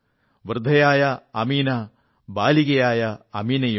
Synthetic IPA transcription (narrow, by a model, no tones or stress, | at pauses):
ʋɾɨd̪ʱɐjaːjɐɐmiːnɐ | baːliɣɐjaːjɐɐmiːnɐj